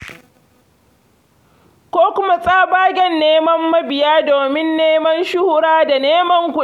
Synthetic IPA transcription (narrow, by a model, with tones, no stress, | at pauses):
kʷoː˦kʷʊ˦ma˦sʼaː˦baː˦ɡʲɛ˦nːeː˦mɐ˦mːɐ˦bɪ˨jaː˦doː˨mɪ˦nːeː˦mɐ˦nʃʊ˦hʊ˦ɾaː˦da˨neː˦mɐ˦ŋkʷu˨